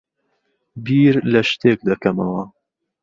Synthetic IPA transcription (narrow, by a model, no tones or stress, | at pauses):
biːɾlɐʃt̪eːk̚d̪ɐkɐmɐwɐ